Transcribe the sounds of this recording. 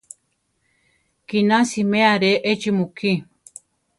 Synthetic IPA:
kinãsimẽaɾeʔet͡ʃimukʰi

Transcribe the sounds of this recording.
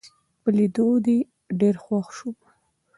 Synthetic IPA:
pəlid̪od̪e | ɖeɾxwaxʃu

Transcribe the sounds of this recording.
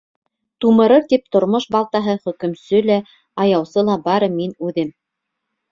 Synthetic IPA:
t̪umɤ̆ɾɤɾt̪ip̚t̪ŏɾmoʃbɑlˠt̪ɑɦɤχɵ̆kɵ̆msɵlæ | ɑjɑwsɤlˠɑbɑɾɤminʉðɘm

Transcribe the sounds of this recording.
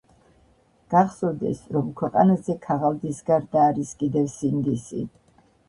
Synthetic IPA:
ɡ̥aχsɔvd̪ɛ̰sɾɔmkʰwɛqʼa̰nazɛkʰaʁalˠd̪isɡaɾd̪aːɾiskʼid̪ɛvsind̪isḭ

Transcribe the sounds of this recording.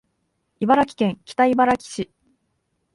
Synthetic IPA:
ibaɾakʲi̥kẽ̞ŋkʲi̥t̪aibaɾakʲi̥ɕi

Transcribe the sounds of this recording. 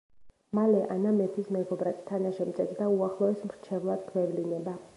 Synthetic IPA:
malɛʔanamɛt̪ʰismɛɡɔbɾat̪ʰt̪ʰːanaʃɛmt̪sʼɛt̪ʰd̪auaχlˠɔɛsmɾt͡ʃʰɛvlˠad̪̚d̪wɛvlinɛba

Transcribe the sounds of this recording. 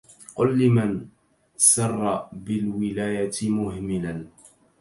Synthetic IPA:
qʊlːɪman | sɑrˤːɑbɪlwɪlaːjat̪mʊhmɪlan

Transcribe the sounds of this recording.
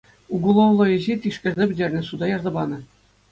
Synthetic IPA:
uɡulˠoʋlˠɤ̆ɘ̆ʑit̪ʲiʂkʲɘ̆rʲzʲebʲɘ̆dʲerʲnʲɘ̆sud̪ɑjɑrzɑbɑnɤ̆

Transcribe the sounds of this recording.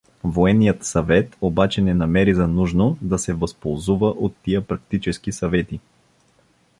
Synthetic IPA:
voɛnːijət̪sɐvɛt̪obat͡ʃɛnɛnɐmɛɾizɐnuʒnod̪ɐsɛvɐspolˠzuvəʔot̪ːijəpɾɐk̚t̪it͡ʃɛskisɐvɛt̪i

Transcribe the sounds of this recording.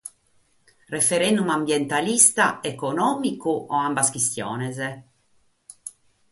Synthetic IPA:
refeɾɛnd̪umambjɛnt̪alist̪aekonɔːmikuʔɔambaskist̪jɔ̰ːnɛz

